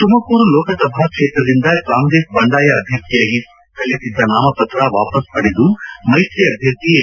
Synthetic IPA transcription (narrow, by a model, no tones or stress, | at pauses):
t̪umɐkuːɾulɔːkɐt̪ɐbʱakʂeːt̪ɾɐd̪ind̪ɐkaːŋɡɾeʂbɐɳɖaːjɐːd̪ʱjɐɾt̪ijaːɡi | k̪ɐlːisid̪ːɐnaːmɐpɐt̪ɾaʋa̰ːpɐspɐɽed̪umɐjʈɾiɐd̪ʱjɐɾt̪ie